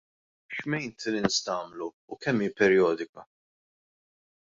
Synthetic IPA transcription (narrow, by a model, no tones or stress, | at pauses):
ʃmɛjnt̪lɪnst̪ɐːmluːkɛmːiːpɛɾjɔːd̪ɪkɐ